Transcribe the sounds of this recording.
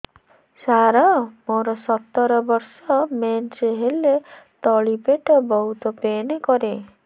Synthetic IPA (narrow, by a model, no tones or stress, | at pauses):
saɾɔmoɾɔsɔt̪ːɔɾɔbɔɾsɔmenɾeɦelet̪ɔɭipeʈɔbɔɦut̪ɔpenekɔɾe